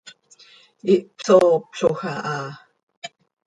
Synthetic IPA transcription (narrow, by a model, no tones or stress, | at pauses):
iʔpsopɬoxaʔa